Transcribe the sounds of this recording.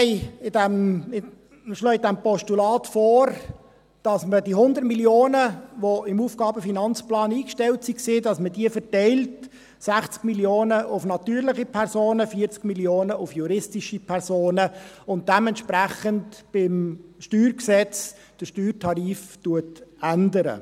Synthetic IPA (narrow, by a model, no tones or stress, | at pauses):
ɪɪdɛm | ʃlɔːɪdɛmpɔʃtulɑːtfɔːɾ | d̥ɑsmədihʊnd̪əɾtmiljoːnəʋoɪmuːfɡ̥ɑːbəfinɑnt͡splɑːniːkʃtɛltsiksiːdɑsmədiəfəɾtɛɪlt | sæχt͡skmiljoːnəʔʊfnɑtyːɾlɪχipʰɛɾsoːnəfiəɾt͡skmiljoːnəʊfjuɾɪstiʃipʰɛɾsoːnəʊnt̚d̥ɛmɛntʃpɾæχəntb̥ɪmʃtyːɾksɛt͡s | d̥əʃtyːrtʰɑɾiːftuətændəɾə̰